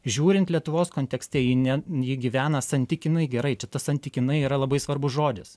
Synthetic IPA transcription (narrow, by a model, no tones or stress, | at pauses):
ʒʲuːɾʲɪnt̪lʲiɛt̪ʊʋoːskoːnʲt̪ʲɛksʲt̪ʲɛjɪnʲɛjɪɡʲiʋʲæːnɐsɐnʲt̪ʲɪkʲɪnɐɪɡʲɛɾɐɪt͡ʃʲɛt̪ɐsɐnʲt̪ʲɪkʲɪnɐɪiːɾɐlˠɐbɐɪsʋɐrbʊsʒoːd̪ʲɪs